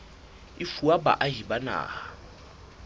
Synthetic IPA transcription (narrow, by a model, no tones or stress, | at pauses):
ifuaba̰ʔaɦibana̰ːha